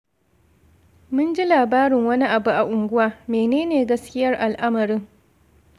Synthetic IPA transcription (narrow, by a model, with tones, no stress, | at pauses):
mʊ˦nd͡ʒi˦laː˨baː˦ɾɪ˨ŋwɐ˦ni˦ʔa˨bu˦ʔa˨ʔʊ˨ŋɡʷʊ˦waː˦meː˨neː˦neː˨ɡɐ˦skʲɪ˦jɐ˦rʔa˨lʔa˦mɐ˨ɾɪ˦ŋ